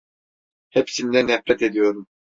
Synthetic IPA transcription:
hɛpsind̪ɛnɛfɾɛt̪ed̪ijoɾum

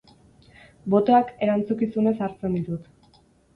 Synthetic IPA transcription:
bo̞t̪o̞ake̞ɾant͡sukisune̞saɾt͡se̞nd̪it̪ut̪

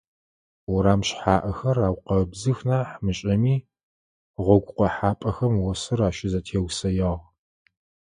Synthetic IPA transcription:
wɔɾaːmɕħaːʔɐxɐraːwqɐbzɨxnaːħmɨɕʼɐmiː | ʁʷɔɡʷʼqʷɔħaːpʼɐxɐmwɔsɨraːʃɪzɐtʰeːwsɐjaʁ

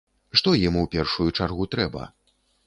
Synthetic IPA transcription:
ʂt̪ɔjimuwpʲɛrʂujut͡ʂarɣut̪ɾɛbɐ̰

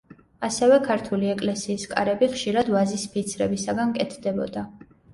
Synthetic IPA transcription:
asɛvɛkʰaɾt̪ʰuliɛkʼlɛsiːskʼa̰ɾɛbiχʃiɾad̪vazispʰit̪sʰɾɛbisaɡankʼɛt̪ʰd̪ɛbɔ̰d̪a

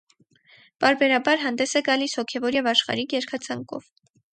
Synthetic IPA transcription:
pɑɾbɛɾɑbɑɾɦɑnd̪ɛsɛɡɑlishɔkʰɛvɔɾjɛvɑʃχɑ̰ɾiɡjɛɾkʰɑt͡sʰɑŋkɔ̰v̥

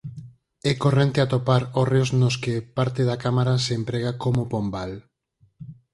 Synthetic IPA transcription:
ɛkorent̪eat̪opaɾoreoznoskepaɾt̪eðakamaɾaseːmpɾeɣakomopombal

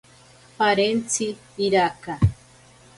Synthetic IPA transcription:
paɾent͡sʰiː | ɾaka

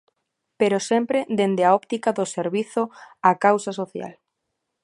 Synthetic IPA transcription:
peɾosempɾed̪end̪eaɔpt̪ikaðoseɾβiθoakawsasoθja̰l

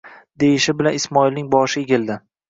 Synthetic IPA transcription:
d̪ejɪʃɪbɪlanɪsmɒilnɪŋbɒʃɪeɡʲɪld̪ɪ

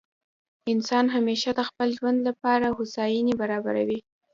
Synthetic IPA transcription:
ɪnsɑnɦameʃad̪əxpəlʒwand̪lapɑɾahʊsɑjinebaɾɑba̰ɾa̰wi

